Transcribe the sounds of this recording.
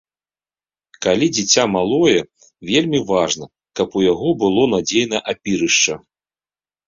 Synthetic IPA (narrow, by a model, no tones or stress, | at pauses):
kalʲid͡zʲit͡sʲamalˠɔjɛ | vʲelʲmʲivaʐnɐ | kɐpujaɣɔbɨlˠɔn̪ad͡zʲejnɐʔapʲiɾɨʂt͡ʂɐ